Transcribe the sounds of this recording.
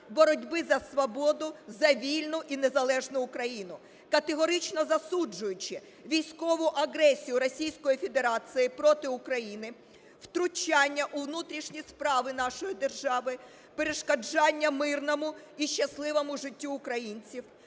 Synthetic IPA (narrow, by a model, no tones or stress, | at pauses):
bɔɾɔdʲbɪzɐsʋɔbɔd̪ʊzɐʋʲilʲnʊʔinezɐlˠɛʒnʊːkɾɐjinʊ | kɐt̪eɦɔɾɪt͡ʃnɔzɐsud͡ʒʊjʊt͡ʃɪ | ʋʲijsʲkɔʋʊʔɐɦɾɛsʲijʊɾɔsʲijsʲkɔjifʲe̞d̪eɾɑt͡ssɨjɪpɾɔt̪ɪʊkɾɐjinɪ | wt̪ɾʊt͡ʃɑnʲːɐʔʊʋnut̪ɾʲiʃnʲispɾɑʋɪnɑʃɔjid̪e̞rʒɑʋɪ | peɾeʃkɐd͡ʒɑnʲːɐmɪrnɔmʊiʃt͡ʃːɐslˠɪʋɔmʊʒɪtʲːuːkɾɐjinʲt͡sʲiw